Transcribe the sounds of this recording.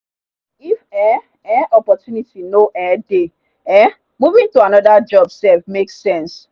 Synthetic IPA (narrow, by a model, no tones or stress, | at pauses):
ifɛ | ɛʔɔpɔtjunitʰinoʔɛde | ɛ | muvĩŋtuanɔdad͡ʒɔbsɛfmeksɛ̃ns